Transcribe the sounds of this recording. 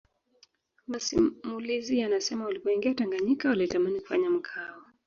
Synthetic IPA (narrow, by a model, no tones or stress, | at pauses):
masimulizijanasɛmaulipɔiŋɡiataŋɡaɲikawaliɛtamaniku̥fa̰ɲam̩kʰaɔ